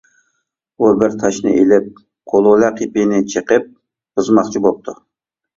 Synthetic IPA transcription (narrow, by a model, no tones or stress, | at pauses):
ubɪɾt̪ʰɑʃnɨ̰ʔelɪp̚ | qʰolˠolæqʰipinɪt͡ʃʰəqəp̚ | b̥ɨzmɑχt͡ʃʰibop̚t̪ʰu